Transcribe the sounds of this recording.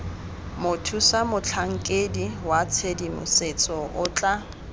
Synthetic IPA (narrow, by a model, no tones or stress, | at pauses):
mʊtʰusamʊt͡ɬʰaŋ̩kʼediwat͡sʰedimʊ̰set͡sʼɔʔʊːt͡ɬʼa